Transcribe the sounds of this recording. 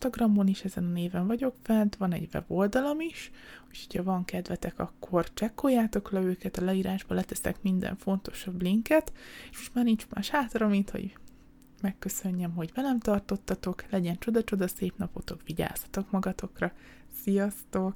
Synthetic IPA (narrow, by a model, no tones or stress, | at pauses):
ʃt̪ɒɡrɒmːo̞niʃɛzɛnɒneːvɛɱvɒɟo̞kfɛnt̪vɒnɛ̰ɟvɛ̰bo̞ld̪ɒlo̞miʃuchocʰɒvɒŋkɛd̪vɛt̪ɛkɒkːo̞rt͡ʃɛkːojaːt̪o̞klɛøːkɛt̪ɒlɛiːɾaːʒbɒlɛt̪ɛsɛ̰kmind̪ɛ̰ɱfo̞nt̪o̞̥ʃɒbliŋkɛt̪eːʃmo̞ʃt̪maːrnint͡ʃma̰ːʃhaːt̪rɒmint̪ho̰ɟ | mɛkːø̞sø̞ɲːɛmɦo̞ɟvɛlɛmt̪ɒrt̪o̞t̪ːɒt̪o̞klɛɟɛnt͡ʃo̞d̪ɒt͡ʃo̞d̪ɒseːpnɒpo̞t̪o̞kʋiɟa̰ːshɒ̥t̪o̞kmɒɡɒt̪o̞krɒ | sijɒst̪o̞k